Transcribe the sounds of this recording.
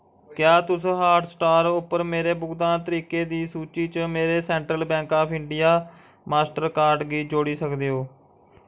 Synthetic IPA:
kjaːt̪ʊsɦaːɾɖsʈaːɾʊpːəɾmeːɾeːbʊkd̪ãːnt̪əɾiːkeːd̪iːsuːt͡ʃiːt͡ʃəmeːɾeːsɛ̃ːɳʈɾəlbɛ̃ːŋkaːpʰɪɳɖɪjaː | maːsʈəɾkaːɾɖɡiːd͡ʒoːɽiːsəkd̪eːɦoː

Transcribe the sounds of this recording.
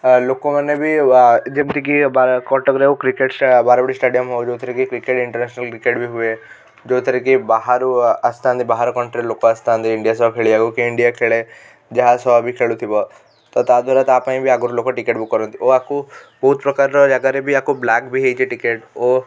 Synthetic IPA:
lokomanebʱid͡ʒemt̪ikibakɔʈɔkɾekukɾikeʈsbaɾɔbɔɽisʈeɽijɔmɦɔwd͡ʒot̪ʰəɾikikɾikeʈiɳʈəɾnɛsnalkɾikeʈbʱiɦue | d͡ʒot̪ʰɔɾikibaɦaɾuast̪ʰant̪ibaɦaɾɔkɔɳʈɾilokoast̪ʰant̪iiɳɖijasɔbkʰeɭiaɡukiːɳɖijakʰeɭe | d͡ʒaɦasɔbʱikʰeɭut̪ʰibɔ | t̪ɔt̪ad̪ʱʋaɾat̪apaĩbʱiaɡuɾlokoʈikeʈbʱikɔɾɔnt̪ioakubɔɦut̪pɾɔkaɾɾɔd͡ʒaɡaɾebʱiakublakbʱiɦejt͡ʃʰiʈikeʈo

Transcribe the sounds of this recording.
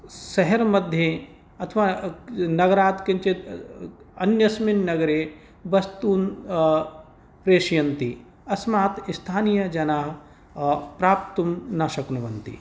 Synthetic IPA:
sɐɦeɾmɐd̪ʱje | ɐt̪ʰʋaːnɐɡɐɾaːt̪kɐ̃nt͡ʃe | ɐnjɐsmɪnnɐɡɐɾe | bɐst̪uːn | pɾeːʃjɐnt̪i | ɐsmaːt̪ist̪ʰaːnijɐd͡ʒɐnaːɦ | pɾaːpt̪umnaːʃɐknuʋɐnt̪ḭ

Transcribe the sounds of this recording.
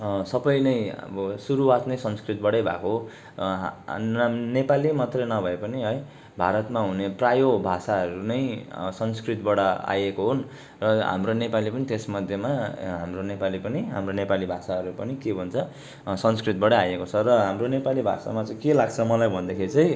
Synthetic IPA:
sʌbʌjnʌjʌ̰bʌsuɾuwat̪nʌjsʌnskrit̪̚bʌɽʌjbʱa̰ko | nepalimʌt̪rʌnʌbʱʌepʌniɦʌj | bʱa̰ɾʌt̪maɦuneprajobʱasaɦʌɾunʌjsʌnskrit̪bʌɽʌa̰jekoɦon | rʌɦa̰mronepalipʌnit̪esmʌd̪ʱjemaɦa̰mronepalipʌniɦa̰mronepalibʱasaʌɾupʌnikebʱʌnt͡sʰʌ | sʌnskrit̪̚bʌɽʌjajekot͡sʰʌrʌɦamronepalibʱa̰sa̰mat͡sʌj̃kelaɡt͡sʰʌmʌlajbʱʌnd̪ʌkʰiɾit͡sʌj

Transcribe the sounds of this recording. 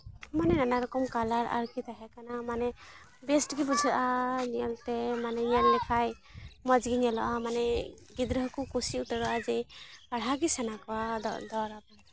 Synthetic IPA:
manɛnanaɾɔkɔmkalaɾa̰ɾkit̪aɦɛkanamanɛ | bɛsʈɡibud͡ʒʱaʔaniɔlt̪ɛmanɛɲɛlnɛkʰaj | mɔd͡ʒɡiɲɛlɔʔamanɛ | ɡid̪ɾɔɦkukusiutaɾɔʔad͡ʒɛjaɽɦaɡisanakwa̰d̪ɔɾaban

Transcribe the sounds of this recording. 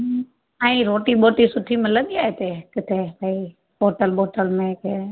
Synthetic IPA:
ãiɾoːʈiɓoːʈisʊʈʰimɪlə̃nd̪iaːɦet̪eːkɪt̪ʰepei | ɓoːʈəlɓoːʈəlmẽke

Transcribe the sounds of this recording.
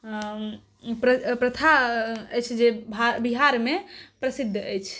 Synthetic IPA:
pɾəpɾət̪ʰaəjt͡ʃʰd͡ʒebabiɦaɾmepɾəsid̪ʱːəjt͡ʃʰ

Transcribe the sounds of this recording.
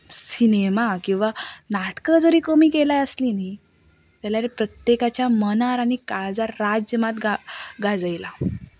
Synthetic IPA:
sinemakĩw̃ʋanaʈkəd͡zəɾiːkəmiːkelajəslini | t̪aljaɾepɾət̪jekat͡ɕjamənaɾaɽ̃ikaɭd͡zaɾːad͡ʑjəmat̪ɡaɡad͡zəjla

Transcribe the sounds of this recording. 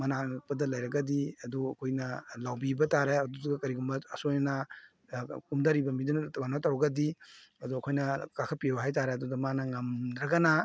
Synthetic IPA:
mɐnak̚pɐdɐlɐjɾɐɡɐdiɐduɐkʰojnɐlawbibɐtaɾeɐduduɡɐkɐɾiɡumbɐɐsojnnɐ | kumdɐɾibɐmidunɡanɐtɐwɐɡɐdiɐduɐkʰojnɐkakʰɐpiewɦajtaɾeɐdudɐmanɐŋɐmdɾɐɡɐna

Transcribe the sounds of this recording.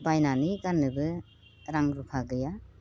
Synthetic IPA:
pajnanikanːɯbɯ | tɾaŋɾupʰaɡɯja

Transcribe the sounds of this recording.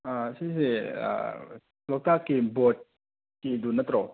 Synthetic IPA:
asisea̰ | lɔk̚t̪akːibɔt̚ | kidunːɐt̪ɾɔ

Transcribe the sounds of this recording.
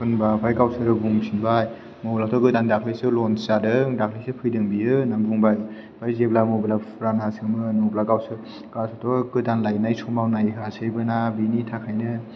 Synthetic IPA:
pʰɯnbapʰajɡawsɯɾɯbuŋmsʰinbaj | mobilatʰɔɡɯdandakʰlisɯlɔnsadɯdakʰlesɯpʰɯjdɯŋbiɯnaŋbuŋbaj | b̥ajzeblamobilapʰɾanasɯŋmɯnɔblaɡawsɯ | ɡasʰɔtʰɔɡɯdanlajnajsɔmawnajɦɯasʰɯjbɯnabinitʰakʰajnɯ

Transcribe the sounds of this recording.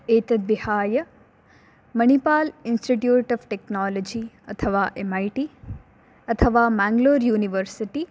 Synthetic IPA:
eːt̪ɐd̪ʋihaːjə | mɐnipaːlinsʈiʈjuːʈɔfʈeknaːlod͡ʒiɐt̪ʰəʋaːʔemajʈiː | ɐt̪ʰəʋaːmaːŋɡloːɾjuːniʋəɾsiʈi

